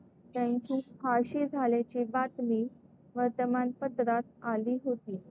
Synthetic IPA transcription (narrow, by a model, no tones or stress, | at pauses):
t̪jaɲt͡ɕiːfaɕiːd͡zʱaljat͡ɕibat̪miː | ʋəɾt̪əmanpəd̪ɾat̪̚aliːɦot̪iː